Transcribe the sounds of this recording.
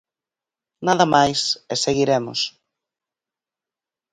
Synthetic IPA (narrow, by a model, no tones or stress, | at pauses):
naðɐmajseseɣiɾemʊ̰s